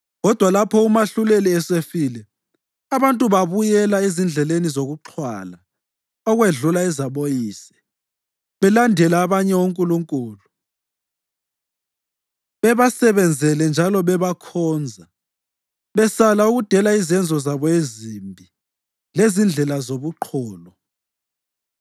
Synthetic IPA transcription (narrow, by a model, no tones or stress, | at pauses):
ɣɔd̥ʱwalapʰɔumaɬuleliɛsefilɛ | aβantʼuβaβujɛlaezind͡ɮʱɛlenizoɣuǁʰwa̰la | ɔɣweɮulaɛzaβojiːsɛ̥ | βɛlandʱɛlaːβaɲɛuŋkʼuluŋkʼuːlu | βɛβasɛβɛnd͡zʱɛlɛnd͡ʒʱalɔβɛβakʰɔːnd͡zʱa | βɛsalauɣud̥ʱɛlaizɛnd͡zʱɔzaβɔezimbʱi | lezind͡ɮʱɛlazoβuǃʰɔːlɔ